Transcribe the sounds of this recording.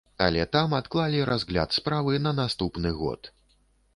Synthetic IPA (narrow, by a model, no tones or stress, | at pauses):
a̰lʲɛt̪amat̪klˠalʲiɾazɣlʲa̰t̪spɾavɨnɐnast̪upnɨɣɔ̰t̪